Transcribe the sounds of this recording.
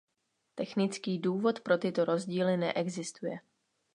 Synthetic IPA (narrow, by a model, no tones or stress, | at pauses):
t̪ɛxnɪt͡skiːduːvo̞t̪pɾo̞t̪ɪt̪o̞ɾo̞zɟiːlɪnɛ̰ʔɛɡzɪst̪ujɛ